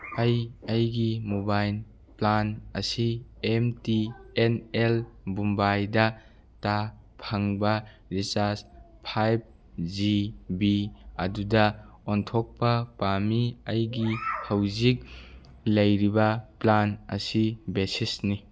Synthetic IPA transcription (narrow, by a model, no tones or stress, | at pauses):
ɐjɐjɡimubajl | planɐ̰siemtienelbumbajldɐ | ta | pʰaŋbɐ | ɾisaɾs | pʰajb̚ | zibiɐ̰dudɐ | ɔntʰɔk̚pɐpamiɐjɡihɐwzik̚ | lɐjɾibɐplanɐ̰sibesisni